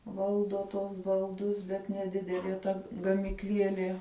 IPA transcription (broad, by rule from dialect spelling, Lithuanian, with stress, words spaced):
ˈʋɐlˠdoː tuɔs bɐlˠˈdʊs bʲɛt nʲɛˈdʲɪdʲɛlʲiɛ ˈtɐ ɡɐmʲɪkˈlʲiɛlʲiɛ